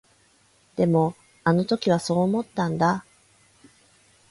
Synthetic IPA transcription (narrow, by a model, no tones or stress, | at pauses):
d̪̥e̞mo̞ | ano̞t̪o̞kʲiβ̞aso̞ːmo̞t̪ːãnd̪a